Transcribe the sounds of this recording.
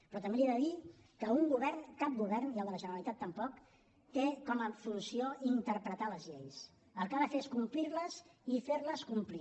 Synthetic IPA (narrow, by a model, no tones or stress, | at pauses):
pɾɔt̪əmbelieðəði | kəuŋɡuβɛrnkap̚ɡuβɛrnialˠðələʒənəɾəlit̪at̪ːəmpɔk | t̪ekɔməfulusioint̪əɾpɾət̪aləzʎejs | əlˠkaðəfeeskumplirləzifeɾləskumpli